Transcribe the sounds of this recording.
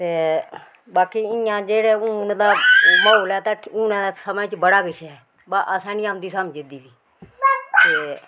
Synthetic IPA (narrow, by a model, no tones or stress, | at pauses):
t̪eː | baːkiːɪjãːd͡ʒeːɽeːuːnd̪aːmoːoːlɛːt̪aːũːnẽːd̪aːsəmət͡ʃbəɽaːkɪʃʰɛː | baːʔasɛ̃ːnɪjãːmd̪iːsaːmd͡ʒɪd̪iːbiː | t̪eː